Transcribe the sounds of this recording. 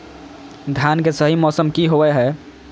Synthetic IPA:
d̪ʱjankesəɦimɔsəmkiɦoɛɦɛ

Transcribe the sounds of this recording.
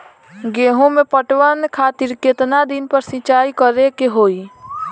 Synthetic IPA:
ɡeːɦõmẽpəʈwənkʰaːt̪ɪɾket̪nad̪ɪnpəɾsɪ̃t͡ʃaːikəɾekeɦoːiː

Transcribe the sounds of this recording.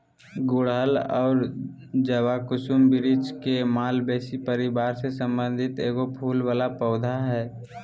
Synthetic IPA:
ɡʊɽɦəlɔːɾd͡ʒəwaːkʊʃumbɪɾɪt͡ʃkemaːlbɛːsipəɾɪbaːɾsesə̃mbə̃nd̪ʱɪt̪eːɡopʰuːlʋaːlapəːd̪ʱaɦɛː

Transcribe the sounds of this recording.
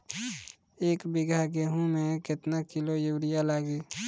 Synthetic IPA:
eːkbɪɡʱaɡeɦũmẽkɪt̪nakɪlojuwɽɪjalaːɡiː

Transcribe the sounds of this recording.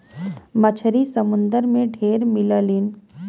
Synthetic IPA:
mət͡ʃʰəɾisəmʊ̃nd̪əɾmẽɖʱeːɾmɪləlin

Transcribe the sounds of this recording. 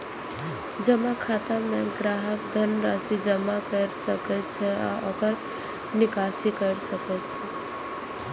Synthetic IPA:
d͡ʒəmakʰat̪ameɡɾaɦəkd̪ʱənɾasid͡ʒəmakəɾsəkɛt̪̚t͡ʃʰɛa̰ʔokəɾ | nikasikəɾsəkɛt̪t͡ʃʰɛ

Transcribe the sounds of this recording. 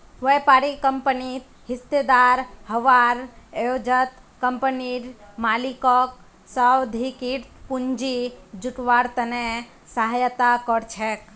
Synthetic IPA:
ʋəjpaːɾikəmpənit̪ | ɦɪst̪ed̪aɾhəʋaɾod͡ʒət̪kəmpəniɾmaːlikɔk | səwd̪ʱikiʈpund͡ʒid͡ʒuʈʋaɾt̪əne | saɦajət̪akɔɾt͡ʃʰɛk

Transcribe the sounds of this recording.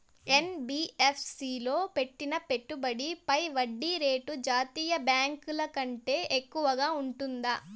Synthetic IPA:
e̞nbiːepʰsiːlo̞ːpe̞ʈːinɐpe̞ʈːubɐɽipɐjʋɐɖːiɾe̞ːʈud͡ʒaːt̪iːjɐbjaːŋkulɐkɐɳʈe̞ːʔekːuʋɐɡaːuɳʈund̪ɐ

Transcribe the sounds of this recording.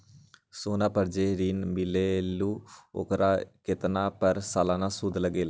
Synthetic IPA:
soːnãːpəɾd͡ʒeːɾiːnmɪleːluːo̰kɾaːkɪt̪nãːpəɾsaːlãːnãːsud̪ləɡeːlː

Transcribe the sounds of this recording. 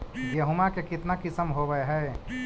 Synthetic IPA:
ɡeɦʊmakekɪt̪nakɪsəmɦoʋəɦɛː

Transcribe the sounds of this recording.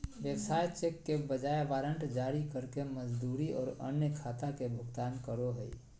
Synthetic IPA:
ʋjəbsajt͡ʃekːebəd͡ʒajʋaːɾəɳʈd͡ʒaɾikəɾkeməd͡ʒd̪uɾiɔːɾə̰njəkʰaːt̪akebʱʊɡt̪aːnkəɾoɦəi

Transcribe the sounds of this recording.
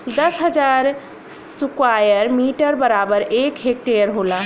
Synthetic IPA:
d̪əsɦəd͡ʒaɾ | sukwajəɾmiʈəɾbəɾabəɾekɦek̚ʈeəɾɦola

